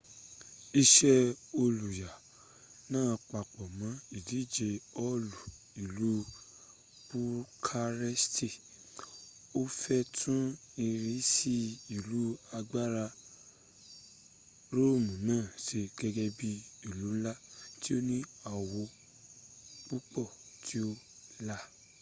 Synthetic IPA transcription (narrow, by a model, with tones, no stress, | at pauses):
i˧ʃɛ˦o˧lu˨ja˨ | nãː˦˧k͡pa˨k͡pɔ˨mã˨˦i˨di˨˦d͡ʒe˧ɔ˦lu˨ | i˨lu˨˦ | b̥u˦kʰa˧ɾɛ˦sti˦˨ | o˦fɛ˦tʰũ˦i˧ɾi˧˦si˦i˨lu˨˦a˧ɡ͡ba˦ɾa˧ | ɾo˦˨mũ˨nãː˦˨ʃe˧ɡɛ˧ɡɛ˦bi˦i˨lu˨˦la˦ti˦o˦nĩ˦a˨wo˧ | k͡pu˦k͡pɔ˦˨tʰi˦o˦ | la˦